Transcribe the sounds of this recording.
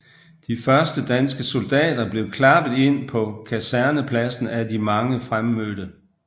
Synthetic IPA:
d̥ifɶɐsd̥əd̥ænsɡ̥əso̝ld̥ɛ̰ːd̥ɐb̥le̝ʊkʰlɑ̈b̥ð̩ˠe̝n̰pʰɒ̽kʰæsæɐnəpʰlæsn̩ædimɑ̈ŋəfʁamːøːd̥ə

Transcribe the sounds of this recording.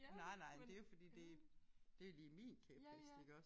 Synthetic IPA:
nɑ̈ɪ̰nɑ̈ɪ̰d̥e̝jofɒd̥ḭːd̥e̝d̥e̝liːmḭːnkʰɛb̥isd̥iɡ̥ɒ̽s

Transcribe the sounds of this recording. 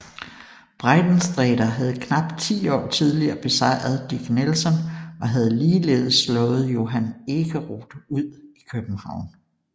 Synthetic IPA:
b̥ʁɑ̈ɪd̥n̩sd̥ʁɛːd̥ɐɦæð̞̩ˠkʰnɑ̈b̥t͡sʰḭːɒ̰ːt͡sʰiðˠliɐːb̥e̝sɑ̈ɪ̰ɐðˠd̥iɡ̥nelsɒ̽nɒ̽ɦæð̞ˠliːleːð̞ˠsːlɔ̽ːð̞̩ˠjo̝ɦæne̝ɡ̥əʁod̥əuð̞̰ˠikʰøb̥m̩hɑ̈ʊ̰n

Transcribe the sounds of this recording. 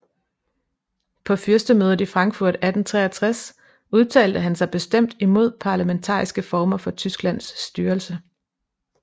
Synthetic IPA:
pʰɒ̽fyɐsd̥əmøːð̞ˠəd̩ˠifʁɑ̈ŋɡ̥fuɐ̰d̥æd̥n̩t͡sʰʁɛ̰ːɐt͡sʰʁas | uðˠt͡sʰɛ̰ːld̥əɦænsɑ̈ɪb̥e̝sd̥em̰d̥imo̝ð̞̰ˠpʰɑ̈ːlæment͡sʰɑ̰̈ːisɡ̥əfɒːmɐfɒ̽t͡sʰysɡ̥læn̰sd̥yːɐl̩sə

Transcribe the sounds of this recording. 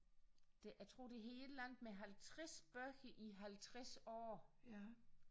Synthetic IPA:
d̥ejæt͡sʰʁo̝ːd̥e̝ɦe̝ːllæŋ̰d̥meɦælt͡sʰʁɛsb̥ɶɐɡ̥əʔiɦælt͡sʰʁɛsɒ̰ː

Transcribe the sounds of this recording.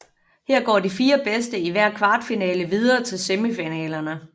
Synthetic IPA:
heɐ̰ɡ̥ɒ̰ːdifiːɐb̥esd̥əiʋæɐ̰kʰʋɑ̈ːd̥finɛːləʋið̞ˠɐːt͡sʰe̝lseməfinɛːlɐnə

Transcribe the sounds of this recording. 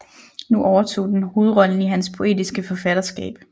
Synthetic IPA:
nuʔɒʊɐt͡sʰo̝̰ːd̥enho̝ːð̞̩ˠʁɒ̽lən̩iɦænspʰo̝e̝̰ːdisɡ̥əfɒ̽fæɾ̥ɐsɡ̥ɛ̰ːb̥

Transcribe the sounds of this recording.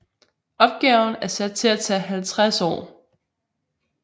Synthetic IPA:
ʔɒ̽b̥̚ɡ̥ɛʊn̩æɐsæd̥̚t͡sʰe̝læt͡sʰɛ̰ːɦælt͡sʰʁasɒ̰ː

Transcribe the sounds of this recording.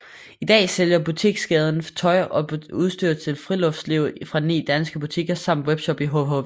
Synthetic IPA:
id̥ɛ̰ːseljɐb̥ut͡sʰiɡ̥sɡ̥ɛːð̞ˠn̩t͡sʰɒ̽ɪʔɒ̽uð̞ˠsd̥yɐt͡sʰe̝lfʁilɔ̽fd̥sliʊfʁɑ̈nḭːd̥ænsɡ̥əb̥ut͡sʰiɡ̥ɐsɑ̈m̰d̥web̥ɕɒ̽b̥iɦoɦoʋ

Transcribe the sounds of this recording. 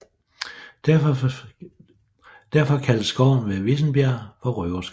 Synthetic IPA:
d̥æɐ̰fɒ̽kʰælsːɡ̥ɒʊ̰n̩ʋeʋe̝sn̩b̥jæɐ̰fɒ̽ʁøʊɐsɡ̥

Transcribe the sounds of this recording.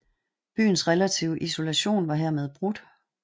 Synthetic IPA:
b̥y̰ːn̩sʁelæt͡sʰḭʊəʔiso̝læɕo̝̰ːnʋɑ̈ɦɛɐmeð̞ˠb̥ʁud̥

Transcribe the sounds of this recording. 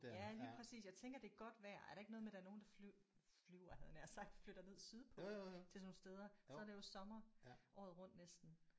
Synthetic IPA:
jæliːpʰʁɛsḭːsjɑ̈ɪt͡sʰeŋɡ̥ɐd̥e̝æɐɡ̥ɒ̽d̥ʋæɐ̰æɐɾ̥ɑe̝ɡ̥ənɔːð̞̩ˠmed̥æɐno̝ːn̩d̥ɑ̈f | flyʊɐhæðˠnæɐsɑ̈ɡ̥̚d̥fløɾ̥ɐne̝ð̞̰ˠsyðˠpʰɒ̽t͡sʰe̝so̝ːnsd̥eːð̞ˠɐsɒ̽æɾejo̝sɒ̽mɐʔɒ̰ːðˠʁɔ̽n̰d̥nesd̥n̩

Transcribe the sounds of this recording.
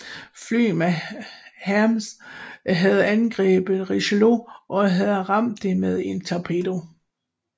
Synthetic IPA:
fly̰ːmæ | hæms | ɦæð̞ˠænɡ̥ʁɛ̰ːb̥əʁiɕlo̝ʔɒ̽ɦæð̩ˠʁɑ̈m̰d̥ːe̝með̞ˠe̝nt͡sʰɑpʰed̥o̝

